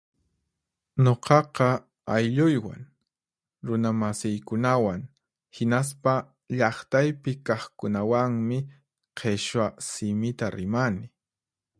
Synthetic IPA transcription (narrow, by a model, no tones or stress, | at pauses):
ɲoqʰɑqɑ | ajʎʊjwa̰ŋ | ɾʊnamasɪjkʊnawaŋ | hɪnaspa | ʎɑχt̪ajpɪkɑχkʊnawaŋmɪ | qʰeʃwasɪmɪt̪aɾɪmanɪ